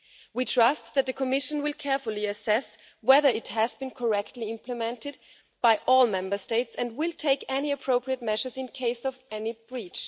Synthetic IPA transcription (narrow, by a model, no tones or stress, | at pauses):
witʰɹ̥ʌst̪ðɨt̪̚ðɨkʰɨmɪʃɨ̃n̩wɪlˠkʰɛɹfəl̩ˠiɨsɛs | wɛðə˞ɨthɨzbɨ̃nkʰə˞ɛktʰˡliɪ̃mpʰlɨmɛ̃ntɨd̚ | b̥aɪʔɔlˠmɛ̃mbə˞steɪtsɨ̃nd̚wɪlˠtʰeɪkɛniɨpʰɹ̥oʊpʰɹiɨt̚mɛʃə˞zɨ̃nkʰeɪsʌvɛnibɹit͡ʃ